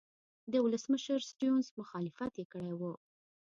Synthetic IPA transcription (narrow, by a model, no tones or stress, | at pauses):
d̪əwʊləsməʃəɾsʈjonzmʊxɑlɪfat̪jekəɽajwu